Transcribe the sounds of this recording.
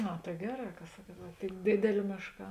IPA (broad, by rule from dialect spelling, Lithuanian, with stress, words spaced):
ˈɐ tɐɪ ˈɡʲæːˌrɑː kɐ ˈsɑːkuɔt ʋɐ tʲeːn ˈdʲeːdʲeːlʲeː ˈmʲeːʃˌkɑː